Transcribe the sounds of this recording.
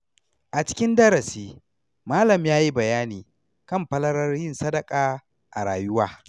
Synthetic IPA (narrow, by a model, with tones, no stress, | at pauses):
ʔa˨t͡ʃɪ̥˦kʲɪ˦ndɐ˦ɾɐ˨siː˦ | maː˦lɐ˨mjaː˦ji˦bɐ˨jaː˦niː˨ | kɐ˦˨mɸɐ˦lɐ˦ɾɐ˦rjɪ˦nsɐ˦dɐ˨kʼaː˨ | ʔa̰˨ɾaː˨jʊ˦waː˦